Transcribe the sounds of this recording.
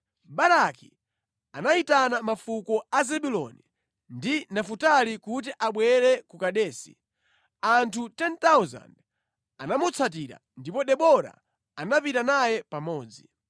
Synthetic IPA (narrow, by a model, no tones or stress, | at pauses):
baɾaki | anaitanamafukɔazɛɓulɔ̰ni | ndinafutalikut̬iʔaɓwɛɾɛkukaɗɛːsḭ | antʰutɛntauza̰nd | anamut͡sʰat̬iɾa̰ndipɔɗɛɓɔɾa̰ | anapitanajɛpamɔːd͡zi